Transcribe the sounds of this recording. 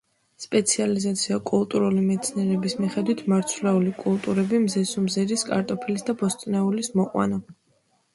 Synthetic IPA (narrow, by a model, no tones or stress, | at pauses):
spʼɛt̪sʰializat̪sʰiakʼulˠt̪ʼuɾulimɛt̪sʰniɛɾɛbismiχɛd̪wit̪ʰmaɾt̪sʰvlɛulikʼulˠt̪ʼuɾɛbimzɛsumzɛɾiskʼa̰ɾt̪ʼɔpʰilisd̪abɔst̪ʼnɛulismɔqʼwa̰na